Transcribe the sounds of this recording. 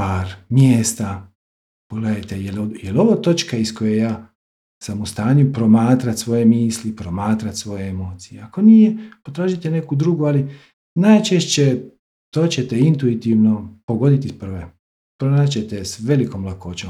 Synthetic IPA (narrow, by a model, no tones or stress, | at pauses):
paːɾmjeːst̪a | poɡleːd̪ajt̪ejelojelo̞ʋot̪o̞t͡ʃkaisko̞jejaː | samust̪aːɲupɾo̞maːt̪ɾat̪sʋo̞je̞miːslipɾo̞maːt̪ɾat̪sʋo̞jeemo̞ːt̪sijeako̞nijepot̪ɾaːʒit̪ene̞kud̪ɾuɡuali | najt͡ʃe̞ʃt͡ɕe̞ | t̪o̞ːt͡ɕe̞t̪e̞int̪uit̪iʋno̞po̞ɡo̞d̪it̪ispr̩ʋe | pɾonat͡ɕe̞t̪esʋe̞liko̞mlˠakoːt͡ɕo